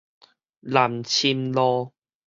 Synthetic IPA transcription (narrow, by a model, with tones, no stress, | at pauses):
la˨˩mt͡ɕʰi˧mlɔ˧